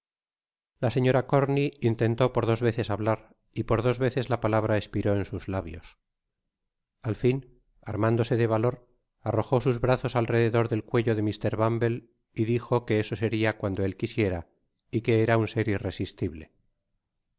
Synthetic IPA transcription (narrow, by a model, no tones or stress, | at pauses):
lase̞ɲo̞ɾako̞ɾniːnt̪e̞nt̪o̞po̞ɾðo̞zβe̞θe̞saβlaɾ | ipo̞ɾðo̞zβe̞θe̞zlapalaβ̞ɾaespiɾo̞e̞nsuzlaβjo̞̰s | alfin | a̰ɾmand̪o̞se̞ðe̞β̞alo̞ɾ | aro̞xo̞suzβɾaθo̞salre̞ðeðo̞ɾðe̞lkwe̞ʝo̞ðe̞mist̪e̞ɾβambe̞l | iðixo̞ke̞esose̞ɾiakwand̪oe̞lkisje̞ɾa | ike̞eɾaunse̞ɾire̞sist̪iβle̞